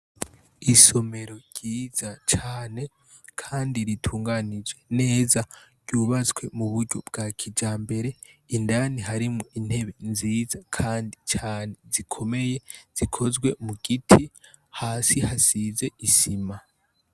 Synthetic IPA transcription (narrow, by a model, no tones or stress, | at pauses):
iso̞me̞ɾo̞ɟ̥iːz̥at͡ʃaːne̞ | kʰaːndiɾitʰuːŋɡanid͡ʒe̞ne̞ːzaɾɟ̥uːβat͡swe̞muβuɾɟob̚ɡaːkʰid͡ʒaːmbe̞ɾe̞indaniɦaɾimuʔin̥he̞βe̞nziːzakʰaːndit͡ʃaːnezikʰo̞me̞je̞z̥ikʰo̞zɡwe̞muɡ̥itʰi | haːsihasize̞isima